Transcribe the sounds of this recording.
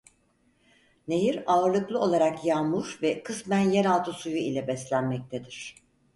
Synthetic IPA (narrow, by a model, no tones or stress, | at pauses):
ne̞jiɾaɯɾlˠɯklˠɯo̞lˠaɾakjalmuɾvɛkʰɯsmænjeɾalˠt̪ʰɯsujuilʲɛbɛslʲænmɛc̚t̪ʰed̪iɾ̝̥